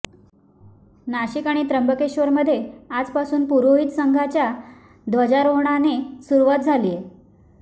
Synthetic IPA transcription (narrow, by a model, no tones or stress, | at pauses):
naɕikaɽ̃it̪ɾəmbəkeɕʋəɾməd̪ʱːjead͡zpasuːnpuɾoɦiːt̪səŋɡʱat͡ɕja | d̪ʋəd͡ʑaɾoɦɳ̃anesuɾuʋat̪̚d͡zʱalije